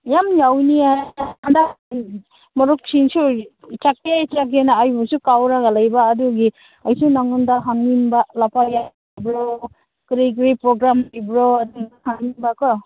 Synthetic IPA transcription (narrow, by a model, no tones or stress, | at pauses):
jamjawniaand̪a | mɔɾuk̚sinsu | t͡ʃak̚et͡ʃak̬enaːjbɔsukawɾaɡalajbaːduɡi | ajsunaŋundaɦaŋːinbalapʰaja | bɾɔ | kɾiɡɾipɾɔɡɾamajbɾɔaduahaŋːinbakɔ